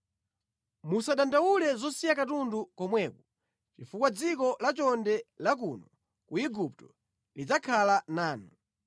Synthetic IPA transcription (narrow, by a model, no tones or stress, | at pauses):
musaɗandaulɛzɔsijakatundukɔmwɛku | t͡ʃifukwad͡zikɔlat͡ʃɔndɛlak̬unɔ | kuiɡup̚tɔ | lid͡zakʰalanaːnɔ